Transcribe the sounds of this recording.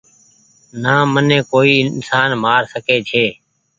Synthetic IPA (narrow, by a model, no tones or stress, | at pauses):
nãːmənẽːkoːiːɪnsaːnmaːɾsəkʰeːt͡ʃʰeː